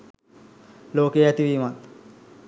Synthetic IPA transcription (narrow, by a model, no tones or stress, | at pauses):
loːkejat̪iʋimat̪